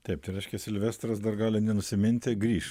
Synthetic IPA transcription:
t̪ʲɛɪp̚t̪ɐɪɾʲɛɪʃʲkʲɛsʲɪlʲʋʲɛst̪ɾɐsd̪ɐrɡɑːlʲɪnʲɛnʊsʲɪmʲɪnʲt̪ʲɪɡɾʲiːʃ

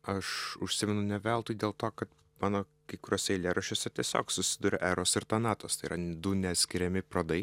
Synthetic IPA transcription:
ɐʃʊʃʲsʲɪmʲɛnʊnʲɛʋʲælˠt̪uːjdʲeːlˠt̪oːkɐt̪ | mɑːnoː | kɐɪkʊɾʲoːsʲɛɪlʲeːɾɐʃʲoːsʲɛt̪ʲiɛsʲo̰ːksʊsʲɪd̪ʊːɾʲɛ̰ːʔæːɾoːsɪɾt̪ɐnɑːt̪oːst̪ɐɪiɾɐd̪ʊnʲɛt̪sʲkʲɪɾʲɛmʲɪpɾoːd̪ɐɪ

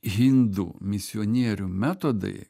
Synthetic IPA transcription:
ɦʲɪnd̪ṵːmʲɪsʲɔnʲiɛɾʲumʲæt̪od̪ɐ̰ɪ

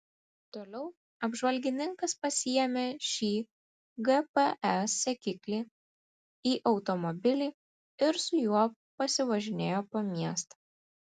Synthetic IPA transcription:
t̪oːlʲɛʊ | ɐbʒʋɐlʲɡʲɪnʲɪŋkɐspɐsʲɪjɛmʲeːʃʲiː | ɡɛpeɛsʲɛkʲɪklʲiː | iːʔɒʊt̪ɔmɔbʲɪlʲiː | ɪɾsʊjuɔ | pɐsʲɪʋɐʒʲɪnʲeːjoːpoːmʲiɛst̪ɐ

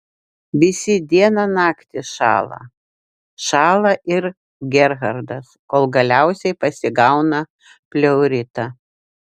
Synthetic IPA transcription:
ʋʲɪsʲɪd̪ʲiɛnɐnɑːkt̪ʲɪʃɑ̰ːlˠɐ̰ | ʃɑːlˠɐʔɪɾ | ɡʲɛɾɣɐɾd̪ɐskoːlˠɡɐlʲæˑʊsʲɛɪpɐsʲɪɡɐʊnɐ | pʲlʲɛʊɾʲɪt̪ɐ

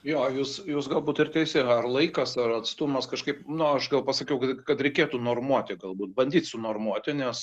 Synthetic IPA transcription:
joːjuːsjuːsɡɐlˠbuːt̪ɪrt̪ʲɛɪsʲɪɐrlˠɐɪkɐsɐrɐt̪st̪ʊmɐskɐʃkɐɪpnʊɐʃɡɐlˠpɐsɐkʲɛʊkɐkɐt̪ɾʲɛɪkʲeːt̪uːnoːrmuɔt̪ʲɪɡɐlˠbuːt̪̚bɐnʲdʲiːt̪sʊnoːrmuɔt̪ʲɪnʲɛs

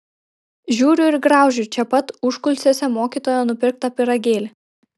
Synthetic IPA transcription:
ʒʲuːɾʲʊɪɾɡɾɑˑʊʒʲʊt͡ʃʲɛpɐt̪ʊʃkʊlʲsʲeːsʲɛmoːkʲiːˑt̪oːjɛnʊpʲɪɾk̚t̪ɐpʲɪɾɐɡʲeːlʲ

